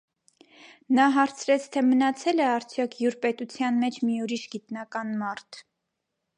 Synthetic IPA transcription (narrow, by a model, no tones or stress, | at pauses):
nɑɦɑɾt͡sʰɾɛt͡sʰt̪ʰɛmənɑt͡sʰɛlɛɑɾt͡sʰjɔkʰjuɾpɛt̪ut͡sʰjɑnmɛt͡ʃʰmiuɾiʃɡit̪nɑkɑnmɑɾt̪ʰ